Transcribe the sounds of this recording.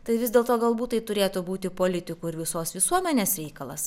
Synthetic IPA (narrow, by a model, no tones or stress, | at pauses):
t̪ɐɪʋʲɪzd̪ʲeːlˠt̪oːɡɐlˠbuːt̪tɐɪt̪ʊɾʲeːt̪ʊbuːt̪ʲɪpoːlʲɪt̪ʲɪkuːɪɾʋʲɪsoːsʋʲɪsuɔmʲɛnʲeːsɾʲɛɪkɐlˠɐ̰s